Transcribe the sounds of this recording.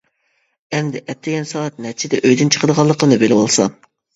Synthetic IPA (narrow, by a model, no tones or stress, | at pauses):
ɛmd̪ɪʔɛt̪ʰːɪɡʲɛnsɑɛt̪̚nɛɾt͡ʃʰɪd̪ɛʔøjd̪ynt͡ʃʰə̥qʰəd̪əʁɑlˠːəqʰənɨbelɪbolˠsɑ